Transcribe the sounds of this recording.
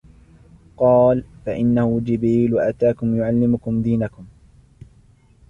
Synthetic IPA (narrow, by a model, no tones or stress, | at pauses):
qɑːlfaʔɪnːahʊd͡ʒɪbɾiːlwaʔat̪aːkʊmjʊʕalːɪmʊkʊmd̪iːnakʊm